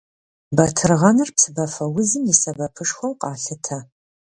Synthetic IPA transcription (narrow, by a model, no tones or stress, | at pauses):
bɐtʰɨrʁɐnɨrpsɨbɐfɐwʊzɨmjisɐbɐpʰɨʂxʷɐwqɑːɬɨtʰɐ